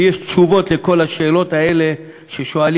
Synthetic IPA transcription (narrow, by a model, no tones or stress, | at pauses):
jeʃt̪ʃuvo̞t̪leko̞laʃe̞ːlo̞t̪ae̞le̞ | ʃeʃo̞al